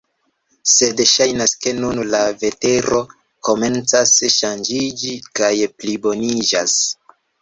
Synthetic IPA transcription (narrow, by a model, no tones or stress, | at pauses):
se̞dʃajnaske̞nunlave̞te̞ɾo̞ | ko̞me̞nt͡sasʃand͡ʒid͡ʒikajplibo̞nid͡ʒas